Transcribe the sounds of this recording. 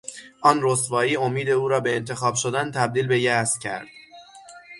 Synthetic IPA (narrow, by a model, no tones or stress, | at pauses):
ʔɒːnrost̪vɒːiːomiːd̪e̞uːɾɒːbe̞ːnt̪ʰe̞xɒːb̥ʃod̪ænt̪ʰæb̚d̪iːlbe̞jæscʰæ̰ɾd̪̥